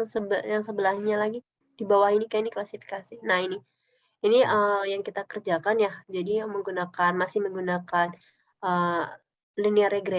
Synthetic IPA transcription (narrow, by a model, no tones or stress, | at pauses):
ŋsəbjaŋsəbəlahɲalaɡi | d̥ibawahinikajainiklasifi̥kasinahini | iniəjaŋkit̪akərd͡ʒakanjahd͡ʒadiməŋɡunakanmasɪhməŋɡunakan | ʔə | liniaɾeɡɾɛ